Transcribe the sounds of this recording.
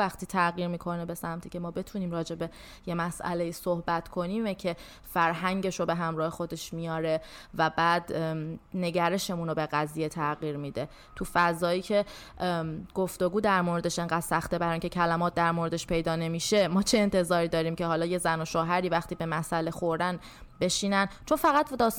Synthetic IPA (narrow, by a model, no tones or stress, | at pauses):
æxt̪ʰiːt̪ʰæɣiːɾmiːkʰo̞nebe̞sæmt̪ʰiːcʰe̞mɒːbe̞t̪ʰuniːmɾɒːd͡ʒe̞be̞ | je̞mæsʔæ̰le̞jiːsohbæt̪ʰkʰo̞niːmecʰe̞ | fæɾɦæŋɟe̞ʃobe̞ɦæmɾɒːhexo̞d̪e̞ʃmijɒːɾe̞væbæːd̪ne̞ɟæɾe̞ʃemuːnobe̞ɣæzijet̪ʰæɣiːɾmid̪e | t̪ʰufæzɒːiːcʰe̞ | ɡ̥oft̪o̞ɡuːd̪æɾmoɾe̞d̪e̞ʃe̞ŋɢæd̪̥sæxt̪ebæɾːiŋcʰecʰælæmɒːt̪̚ʰd̪æɾmoɾe̞d̪eʃpʰe̞jd̪ɒːne̞miːʃe̞mɒːt͡ʃʰeːnt̪ʰe̞zɒːɾiːd̪ɒːɾiːmcʰe̞ɦɒːlɒːje̞zæno̞ʃoːɦæɾiːvæxt̪iːbe̞mæsʔæle̞xo̞ɾd̪æn | be̞ʃiːnænt͡ʃʰo̞nfæɣæt̪d̪ɒː